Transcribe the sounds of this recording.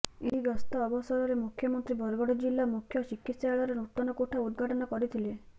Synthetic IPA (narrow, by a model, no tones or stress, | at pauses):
eɦiɡɔst̪ɔːbɔsɔɾɔɾemukʰjɔmɔnt̪ɾibʱɔɾɡɔɽɔd͡ʒilːamukʰjɔsikːit̪sjaaɭɔɾenut̪ɔnɔkoʈʰaud̪̚ɡʱaʈɔnɔkɔɾit̪ʰile